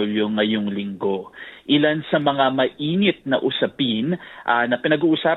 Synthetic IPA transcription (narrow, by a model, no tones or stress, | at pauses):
ljʊŋːɐjoŋlɪŋɡo̞ʔɪlansɐmɐŋamɐʔiːnɪt̪̚nɐʔʊsɐpinʔanɐpɪnɐɡuːʔʊsaː